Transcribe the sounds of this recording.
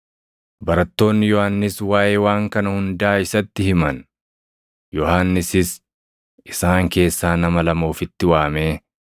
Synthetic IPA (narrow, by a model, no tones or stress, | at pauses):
bɐɾɐt̪ːo̞ːnːɪjɔhanːɪswaːʔeːwaːŋkɐnɐhʊnd̪aːɪsɐt̪ːɪhɪmɐn | jɔhanːɪsɪs | ʔɪsaːŋke̞ːsːaːnɐmɐlɐmo̞ːfɪt̪ːɪwaːme̞ː